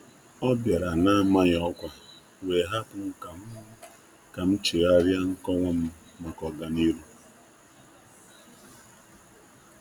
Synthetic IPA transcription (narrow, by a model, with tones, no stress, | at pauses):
ɔ˦bja˨ɾa˨na˦ma˦ɲ˨ɔ˦kʷa˨ | we˨ɦa˦pʊ˨ŋ̩˦ka˨m̩˦ | ka˨m̩˦t͡ʃi˨ɾa˦ɾja˦ŋ̩˦kɔ˦ŋʷɔ˦m̩˦ | ma˨kɔ˨ɡa˨ni˦ɾu˦